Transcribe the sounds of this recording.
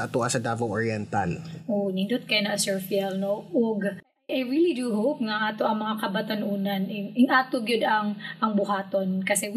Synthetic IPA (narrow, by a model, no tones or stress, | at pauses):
ɐt̪uʔasɐd̪aːbɐwʔoɹiɛnt̪ɐ̰lʔonɪnd̪ot̪̚kɐjanɐʔɐsɛɹfiɛlnoʔoɡ | ʔajɹilid̪uɦowp̚nɐʔaːt̪oʔɐŋmɐŋakɐbɐt̪ɐnʔuːnɐnʔɛʔɪŋʔaːt̪oɡʊd̪ɐŋʔɐŋbʊɦaːt̪onkɐsɛ